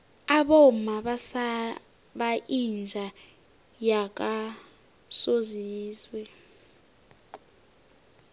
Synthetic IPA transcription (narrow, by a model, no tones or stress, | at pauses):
aɓɔmaɓasa | ɓaʔind͡ʒʱa | jak̬ʼa | soziːzwɛ